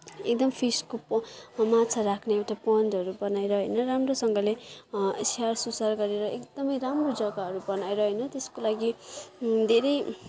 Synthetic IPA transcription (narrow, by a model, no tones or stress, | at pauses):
ek̚d̪ʌmpʰiskopmatt͡sʰaɾakʰneewʈapʌnd͡zʌɾubʌnajɾʌɦʌjnʌramrosʌŋɡʌlesarsusarɡʌɾeɾʌʔekd̪ʌmʌjɾamrod͡zʌɡaɦʌɾubʌnajɾʌɦʌjnʌt̪eskolaɡi | d̪ʱeɾʌj